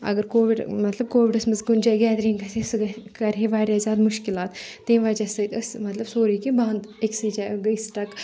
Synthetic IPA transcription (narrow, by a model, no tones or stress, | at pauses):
ɐ̰ɡəɾkoːʋiɖmɐt̪lɐb̚koːʋiɖɐsmɐzɡund͡ʒaːjɡɛːd̪ɾĩŋɡɐsʰesɨɡkɐɾɦeʋaːɾʲjazʲaːd̪muʃkilaːt̪t̪ːeːnʋaːd͡ʒasɐt̪ɐsmɐt̪lɐbsoːɾiːkibãːnd̪eksɨd͡ʒaːjɡɐisʈɐk